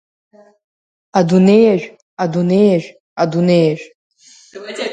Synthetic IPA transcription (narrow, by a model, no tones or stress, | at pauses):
adunejaʒᶣ | adunejaʒᶣ | adunejaʒᶣ